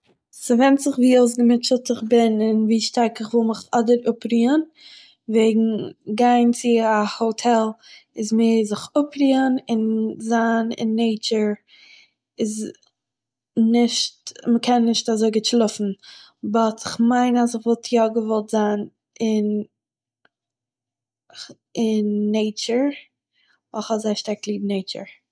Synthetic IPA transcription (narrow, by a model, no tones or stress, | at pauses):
sɪvɛnt͡sɪχviːoʊs̬ɡəmɪt͡ʃəl̩ˠtɪχbɪnɪnviːʃtaɾkɪχvɪlˠmɪχɔdəɾʊpɾiːən | veɪɡŋ̩ɡaɪnt͡sɪahotʰɛlˠɪzmeːzɪχʊpɾiːənɪnzaːnɪ̰nːeɪt͡ʃəɾ | ɪz | nɪʃtməkʰɛnːɪʃtazoɪɡɪtʃlˠʊfn̩ | bɔtɪχmaɪnas̬ɪχvɔlˠtʰjɔɡəvɔlˠtz̥aːn | ɪn | ɪnːeɪt͡ʃəɾ | vɔlˠχɔzaɪʃtaɾklˠiːbneɪt͡ʃə̰ɹ